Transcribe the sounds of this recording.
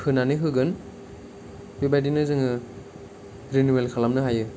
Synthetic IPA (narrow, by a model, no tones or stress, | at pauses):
hʰɯnanɯɦɯɡɯn | bibajdinɯzɯŋɯ | ɾinuwelkʰalamnɯɦajɯ